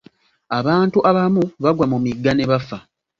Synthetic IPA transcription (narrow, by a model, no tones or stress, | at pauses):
aβaːntuʔaβamuβaɡwamumiɡːaneβafa